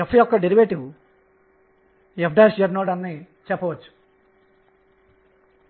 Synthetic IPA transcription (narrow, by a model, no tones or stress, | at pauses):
epʰːɐjɔkːɐɖeɾiʋeːʈiw | epʰɖaːsjɐɾnoːɖɐnːi | t͡ʃɛpːɐʋɐt͡ʃːu̥